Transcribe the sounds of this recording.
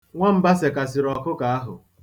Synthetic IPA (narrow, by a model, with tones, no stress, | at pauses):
ŋʷa˦m̩˦ba˦se˨ka˨s̬ɪ˨ɾɔ˨kʊ˦ka˨a˦ɦʊ˨